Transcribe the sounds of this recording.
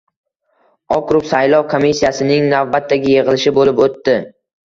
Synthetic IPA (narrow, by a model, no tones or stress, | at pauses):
ɒkɾʊpsajlˠɒwkʰomisːijasɪnɪŋnavbat̪ʰːaɡʲɪjeʁɨlɪʃɪbolɪpot̪ːɪ